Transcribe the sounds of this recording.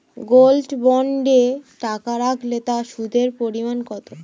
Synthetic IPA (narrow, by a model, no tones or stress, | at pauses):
ɡolɖbɔɳɖeʈakaɾakʰlet̪aʃud̪ʱeɾpoɾimankɔt̪o